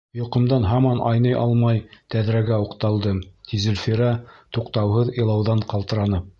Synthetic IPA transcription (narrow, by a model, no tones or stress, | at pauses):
jŏqɤ̆md̪ɑnɦɑmɑnʔɑ̰jnɤjʔɑ̰lˠmɑjt̪æðɾæɡæuqt̪ɑlˠd̪ɤt̪ʲizɘ̆lʲfiɾɑt̪uqt̪ɑwɦɤðɤ̆jlˠɑwðɑɴqɑlˠt̪ɤ̆ɾɑnɤ